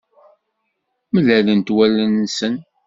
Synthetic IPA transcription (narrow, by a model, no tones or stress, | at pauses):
məlælənt̪wælːənːsən